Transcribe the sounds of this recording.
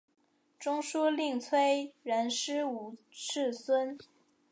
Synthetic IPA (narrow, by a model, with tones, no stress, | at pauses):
ʈ͡ʂʊ˥ŋʂu˥li˥˩ŋt͡sʰwe˥ɪɻə˧˥nʂɻ̩˥u˨˩ʈ͡ʂʰɻ̩˥˩swə˥n